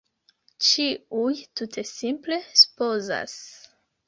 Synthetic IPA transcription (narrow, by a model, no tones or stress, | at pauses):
t͡ʃiujtutʰe̞simple̞su̥po̞za̰s